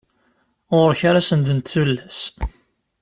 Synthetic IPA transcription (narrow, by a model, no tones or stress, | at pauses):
ʁʊɾçaɾasənd̪ənt̪θulːæs